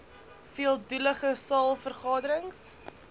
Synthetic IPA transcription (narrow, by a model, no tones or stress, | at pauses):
fiəlˠduləχəsɑːlˠfərχɑːdəɾəŋs